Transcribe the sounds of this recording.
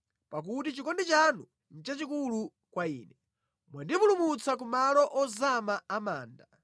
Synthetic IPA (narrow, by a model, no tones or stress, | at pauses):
pak̬utit͡ʃikɔndit͡ʃanu | n̩t͡ʃat͡ʃikulu | kwaiːnɛ | mwandipulumut͡sak̬umalɔʔɔzamaamaːnda